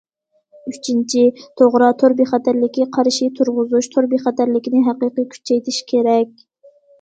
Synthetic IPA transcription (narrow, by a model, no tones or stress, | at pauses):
yt͡ʃʰint͡ʃʰit̪ʰoʁɾɑt̪ʰoɾbiχæt̪ʰæɾlɪkʲiqʰɑɾʃit̪ʰuɾʁʊzuʃt̪ʰoɾbiχɛt̪æɾlɪkʲinɪɦæqɨqikʲʰy̥t͡ʃʰːɛjt̪ʰiʃkʲʰeɾɛkʲ